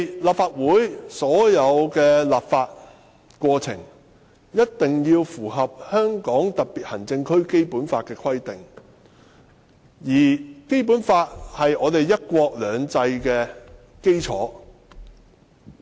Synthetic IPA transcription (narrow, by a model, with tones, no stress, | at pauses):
laː˨˩p̚faː˧t̚wuː˨˥jsɔː˨˥jɐ˨˧wkɛː˧laː˨p̚faː˧t̚ | kʷɔː˧t͡sʰɪ̰˨˩ŋ | jɐ˥t̚t̪ɪ˨ŋjiː˧wfuː˨˩ɦɐ˨p̚hœː˥ŋkɔː˨˥ŋt̪ɐ˨˩t̚piː˨˩t̚hɐ˨˩ŋt͡sɪ˧ŋkʰɵ˥ɥke˥jpuː˨˥nfaː˧t̚kɛː˧kʰɐ˥jt̪ɪ˨˩ŋ | jiː˨˩ke˥jp̬uː˨˥nfaː˧t̚hɐ˨jɔː˨˧t̪e˨jjɐ˥t̚kʷɔː˧k̚lœː˨˧ŋt͡sɐ˧jkɛː˧ | ke˥jt͡sʰɔː˨˥